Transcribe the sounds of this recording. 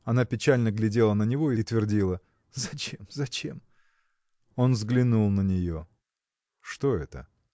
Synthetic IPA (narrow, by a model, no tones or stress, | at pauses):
ɐnapʲɪt͡ɕælʲnəɡlʲɪdʲe̞lˠənənʲɪvo̞ɪt̪vʲɪrdʲilˠə | zɐt͡ɕemzɐt͡ɕe̞m | o̞nvzɡlʲɪnulˠnənʲɪjo | ʂt̪o̞ɛ̰t̪ə̰